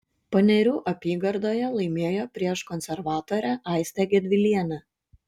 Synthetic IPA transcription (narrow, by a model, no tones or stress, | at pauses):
pɐnʲɛɾʲuːʔɐpʲiːɡɐɾd̪oːjɛlˠɐɪmʲeːjoːpʲɾʲiɛʃkɔnʲsʲɛɾʋɑːt̪oːɾʲæʔɑˑɪsʲt̪ʲæɡʲɛd̪ʲʋʲɪlʲiɛnʲɛ